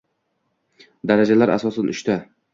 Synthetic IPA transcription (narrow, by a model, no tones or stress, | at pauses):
d̪aɾad͡ʒalaɾa̰sɒsanʊʃt̪a